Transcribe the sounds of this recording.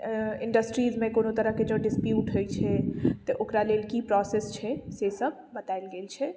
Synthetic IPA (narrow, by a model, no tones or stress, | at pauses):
ɪ̃ɳɖəsʈɾiːzmẽkoːnot̪əɾəɦked͡ʒõɖɪspjuːʈɦojt͡ʃʰɛt̪ɔʔokɾalelkipɾɔsest͡ʃʰɛsesəb̚ʱbət̪aɪlɡeːlt͡ʃʰɛ